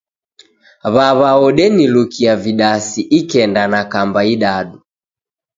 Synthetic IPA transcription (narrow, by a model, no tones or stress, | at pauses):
βaβaɔɗɛnilukʰiaviɗasiʔikɛndanakambaiɗaɗu